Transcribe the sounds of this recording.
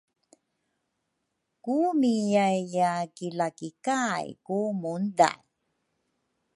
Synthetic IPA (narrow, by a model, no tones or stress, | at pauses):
kumijajːakilakikajkumunda̰